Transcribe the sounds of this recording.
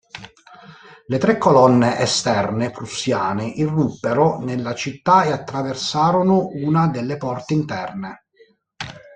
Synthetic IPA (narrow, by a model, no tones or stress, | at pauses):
let̪ɾekːɔlɔnːeʔɛst̪ɛrnepɾusjaːneʔirːupːeɾonelːat͡ʃit̪ːaeat̪ːɾaversaːɾonouːnad̪elːepɔrt̪eint̪ɛrne